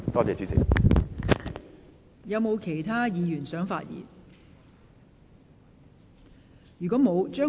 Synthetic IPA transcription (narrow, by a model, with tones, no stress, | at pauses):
t̪ɔː˥t͡sɛː˨˧t͡ʃyː˨˥sʰḭ˨˩ | jɐ˨˧wmo˨˧wkʰe˨˩jt̪ʰaː˥jiː˨˧jyː˨˩nsœː˨˥ŋfa̰ː˧t̚jḭː˨˩n | jyː˨˩kɔː˨˥mo˨˧wt͡ʃœː˥